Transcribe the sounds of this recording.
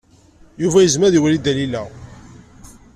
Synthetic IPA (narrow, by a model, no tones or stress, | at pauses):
juvæjəzmæðiwælid̪ælilæ